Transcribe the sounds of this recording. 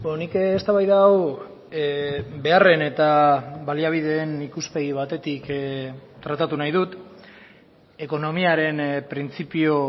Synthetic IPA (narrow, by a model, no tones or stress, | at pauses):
onikːst̪aβajðaːw | be̞are̞ne̞t̪aβaliaβ̞iðe̞ːnikuspe̞ɣiβ̞at̪e̞t̪ik | t̪ɾat̪at̪unajð̞ut̪ | e̞ko̞no̞miaɾe̞npɾint͡sipio